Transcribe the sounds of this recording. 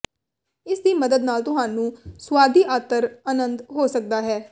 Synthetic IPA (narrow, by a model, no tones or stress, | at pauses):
ɪsd̪iːməd̪əd̪naːlt̪ʊɦaːnũːswaːd̪iːʔaːt̪əɾaːnənd̪ɦoːsək̚d̪aːɦɛː